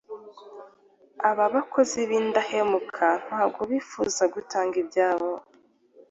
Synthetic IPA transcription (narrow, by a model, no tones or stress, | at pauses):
aβaβako̞ziβiːndahemukʰan̥haːb̚ɡoβiːfṵzaɡutaːŋɡibjaːβo